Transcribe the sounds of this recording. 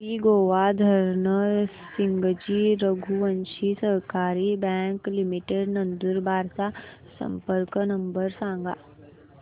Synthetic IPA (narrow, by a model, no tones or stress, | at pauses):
iɡoːʋad̪ʱɐɾnə | sɪ̃ŋɡəd͡ʒiːɾəɡʱuɐ̃nʃisɐɦkaːɾibɛ̃ːŋklɪmiʈeɖnɐ̃nd̪uɾbʱaːɾt̪asɐ̰̃mpəɾknɐ̃mbəɾsãːŋɡa̰ː